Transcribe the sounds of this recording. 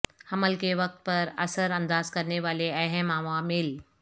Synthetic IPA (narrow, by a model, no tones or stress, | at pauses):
hɐməlkeʋɐk̚t̪̚pɐɾɐsəɾɐ̃nd̪aːzkɐɾneʋaːleɐɦɛmaːʋãmɪl